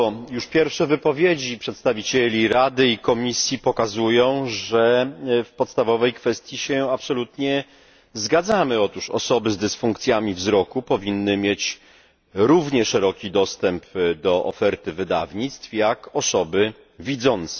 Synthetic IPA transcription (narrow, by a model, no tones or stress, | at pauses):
ɔjuʂpʲjɛɾfʂɛvɘpɔvʲjed͡ʑipʂɛt̪st̪avʲit͡ɕelʲiɾad̪ɘikɔmʲisʲjipɔkazujɔ̃w̃ʐɛfpɔt̪st̪avɔvɛjkfɛst̪ʲjiɕɛapsɔlut̪ɲɛ | zɡad̪zamɘɔt̪uʂɔ̰sɔbɘzd̪ɘsfuŋkt̪sʲjamʲivzɾɔkupɔvʲinːɘmʲjet͡ɕ | ɾuvɲɛʂɛɾɔkʲid̪ɔst̪ɛmpd̪ɔʔɔfɛɾt̪ɘvɘd̪a̰vɲit̪st̪fjakɔsɔbɘ | vʲid̪zɔnt̪sɛ̥